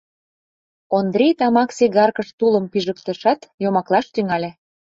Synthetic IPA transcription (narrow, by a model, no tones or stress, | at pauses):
ond̪ɾʲejt̪ɑmɑkseɡɑrkə̆ʃt̪uləmpiʒə̆kt̪ə̆ʃɑt̪jomɑklˠɑʃt̪yŋɑlʲe